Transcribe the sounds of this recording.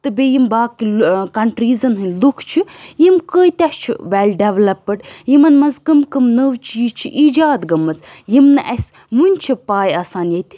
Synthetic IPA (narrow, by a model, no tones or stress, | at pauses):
t̪ɨbeːjimbaːkikɐɳʈɾiːzɐnɦɨnʲlukʰt͡ʃʰijimkəːjt̪ʲɐst͡ʃʰḭʋɛlʲɖeʋlɐpːɐʈjimɐnmɐzkɨmkɨmnəʋt͡ʃiːzt͡ʃʰḭʔiːd͡ʒaːd̪ɡɐmːɐt͡s | jimnɨʔɐs | munʲt͡ʃʰipaːjaːsaːnjɐt̪ʲi̥